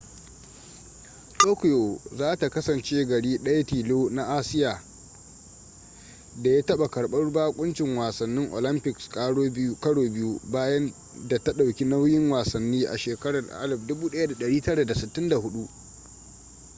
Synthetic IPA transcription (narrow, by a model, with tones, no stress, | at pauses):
toː˦kʊ˨jo˨zaː˦ta˨kɐ˦sɐ˨nt͡ʃeː˦ɡɐ˨ɽiː˦ɗɐ˦ja˦tiː˨loː˦na˦ʔaː˦sɪ˦jaː˨ | da˨ja˦tɐ˦ɓa˨kɐ˨ɽɓɐ˦rbaː˦kʷʼʊ˦nt͡ʃɪ˨ŋwaː˨sɐ˨nːɪ˦ŋʔo̰˨lɪ˦mpɪ˨kskʼaː˦ɽo˦kɐ˦ɽoː˨bɪ˦ju˦baː˦jɐ˦n | da˨ta˦ɗa˨wkʲi˦na˦wjɪ˦ŋwaː˨sɐ˨nːiː˦ʔa̰˨ʃeː˨kɐ˦ɽɐ˨rʔa̰˦lɪ˨b̚dʊ˦buː˦ɗɐ˦ja˦da˨ɗɐ˨ɽiː˦tɐ˦ɽa˨da˨sɪ˨tːɪ˦nda˨hʊ˦ɗu˦ʔ